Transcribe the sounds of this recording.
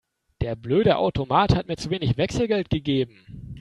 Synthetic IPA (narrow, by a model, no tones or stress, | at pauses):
d̥eːɐbløːɾəʔa̰ʊtomaːthat̚miːɐt͡suveːnɪçv̥ɛksl̩ɡɛlt̚ɡ̥əɡeːbm̩